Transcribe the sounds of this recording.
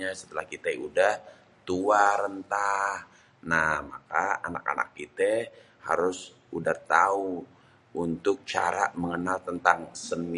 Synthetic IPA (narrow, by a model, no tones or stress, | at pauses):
asə̥t̪əlahkit̪audah | t̪uaɾənt̪ah | nahma̰kaa̰na̰ka̰na̰k̚ːit̪ə | ha̰ɾʊs | udaht̪au | unt̪ʊk̚t͡ʃa̰ɾaməŋənalt̪ənt̪aŋsəni